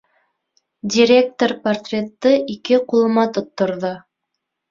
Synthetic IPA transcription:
dʲiɾʲe̞k̚t̪orpɐrt̪rʲet̪ːɤʔikɘqulˠɤ̆mɑt̪ŏt̪ːŏɾðo

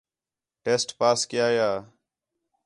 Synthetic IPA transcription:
ʈeːsʈpaːskɪjaːjaː

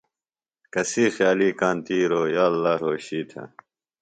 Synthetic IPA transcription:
kɐsiːxjaːliːkaːnt̪iːɾoːjaːlːaːɾoːɕiːt̪ʰɐ̰

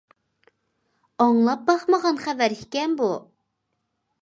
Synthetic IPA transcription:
ɑŋlˠɑp̚bɑχməʁɑnχævæɾhikʲɛnbu

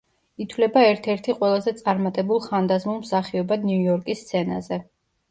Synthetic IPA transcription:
it̪ʰvlɛbaɛɾt̪ʰɛɾt̪ʰiqʼwɛlˠazɛt̪sʼaɾmat̪ʼɛbulˠχand̪azmulˠmsaχiɔbad̪niujɔɾkʼist̪sʰɛna̰zɛ

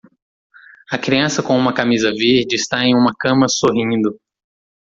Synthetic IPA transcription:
ɐkɾiɐ̃sɐkõũmɐkamizɐviɾd͡ʒɪst̪aẽj̃ũmɐkɐ̃mɐsoɦĩnd̪ʊ

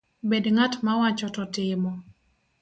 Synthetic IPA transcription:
bedŋatmawat͡ʃɔtɔtɪmɔ

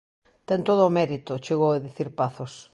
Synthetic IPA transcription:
t̪ɛnt̪oð̞ʊːmɛɾit̪ʊt͡ʃeɣoweðiθiɾpaθos

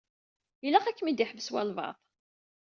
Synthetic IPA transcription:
ilæqækːəmid̪iħvəswæ̰lvɑ̰ðˤ

